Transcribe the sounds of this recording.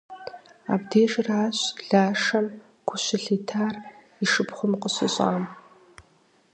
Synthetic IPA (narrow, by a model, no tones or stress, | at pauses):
a̰ːbdeːʒʼraːɕɮaːʂɐm | kʷʰʊɕɪɬeːtʰaːr | iʂɨpχʷʊmqəɕɪɕʼa̰ːm